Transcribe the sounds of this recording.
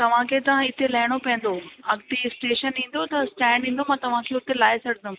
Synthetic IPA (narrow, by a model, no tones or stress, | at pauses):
t̪ɐʋ̤ãkʰeːt̪ɐʋ̤ãɪt̪elɐɦɪɽ̃opɐ̃ɦɪ̃n̆d̪oɐɡt̪isʈeːʃənĩːn̆d̪ot̪ɐsʈɛ̃ːɳɖĩːn̆d̪omãːt̪ɐʋ̤ãkʰeːʊt̪elaːesɐɽd̪ʊm